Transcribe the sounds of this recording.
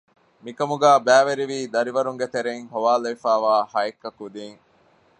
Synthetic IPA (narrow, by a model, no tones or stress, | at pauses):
mikɐmuɡæːbæːʋeɾiʋiːd̪ɐɾiʋɐɾuŋɡet̪eɾeŋhoʋaːlɐifæːʋaːhɐekːɐkud̪iːŋ